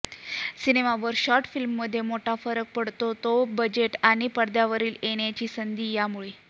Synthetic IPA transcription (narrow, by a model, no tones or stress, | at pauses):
sinemaʋəɾɕɔɾʈfilmːəd̪ʱːjemoʈʰafəɾək̚pəɽt̪ot̪obəd͡ʑeʈaɽ̃ipəɽd̪jaʋəɾiːleɳjat͡ɕiːsənd̪ʱiːjamuɭi